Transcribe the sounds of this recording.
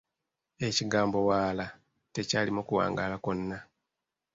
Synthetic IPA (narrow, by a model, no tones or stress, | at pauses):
e̞ciɡaːmbo̞waːla | te̞caːlimokuwa̰ːŋɡa̰ːlakonːa